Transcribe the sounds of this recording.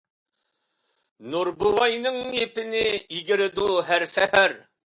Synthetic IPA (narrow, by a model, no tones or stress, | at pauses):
nuɾbuwɑjnɪŋepɪnɪiɡɪɾɪd̪uɦæɾsæhæɾ